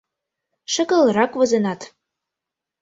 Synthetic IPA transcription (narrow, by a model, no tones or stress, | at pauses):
ʃə̆kɤ̆lˠɾɑkvɤ̆zɤ̆nɑt̪